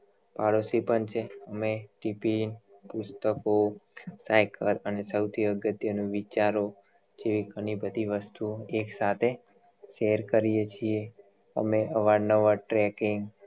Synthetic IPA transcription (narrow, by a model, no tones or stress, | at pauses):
paɽosipəɳt͡ʃʰeəmeʈipin | pʊst̪əkosajkəɾənesəwt̪ʰiəɡət̪jənũʋit͡ʃaɾo | d͡ʒeʋiɡəɽ̃ibəd̪ʱiʋəst̪ueksat̪ʰe | ʃeɾkəɾijet͡ʃʰie | ə̰meʔəʋaɽnəʋəʈɾɛkɪŋɡ